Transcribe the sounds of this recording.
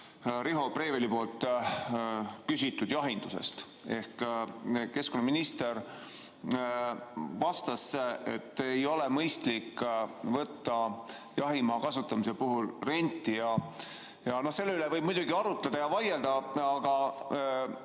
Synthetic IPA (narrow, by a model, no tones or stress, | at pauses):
ɾiɦo̞pre̞ːvelipo̞ːlt̪ːˑ | kysʲit̪ːˑud̪̥jɑɦind̪use̞̰st̪ | e̞hk | ke̞skonːɑminist̪e̞ɾ | vɑst̪ɑseḛt̪ːejo̞lemɤjst̪likvɤt̪ːɑ | jɑɦimɑːkɑsut̪ːˑɑmisepuɦulre̞nʲt̪ːˑijɑ | jɑno̞hse̞lːeylɛvɤjb̥mujd̪uɡiɑɾut̪ˑled̪̥ɑjɑvɑjeld̪̥ɑɑɡ̥ɑ